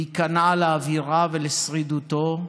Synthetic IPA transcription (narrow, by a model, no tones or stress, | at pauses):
ikanaleːviʁavelesʁid̪ut̪o̞